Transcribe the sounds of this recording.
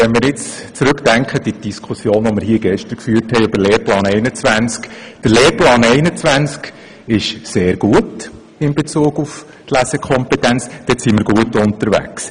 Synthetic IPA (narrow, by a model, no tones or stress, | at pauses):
ʋɛnmɪɾɪt͡st͡sɾʉkd̥æŋkχəd̥id̥iskʰʊsjoːnʋɔmɪɾhiəɡɛʃtəɾkfyːrthɛɪøb̥əɾleːɾplɑːnɛɪnət͡sʋænt͡skd̥əɾleːɾplɑːnɛɪnət͡sʋænt͡sk | ɪʃseːɾɡ̥uət | ɪmbet͡suːɡ̥uf | tlæsɛkʰχɔmpɛtænt͡sd̥ɛtsimɪɾɡuətʊntəɾʋæ̰ks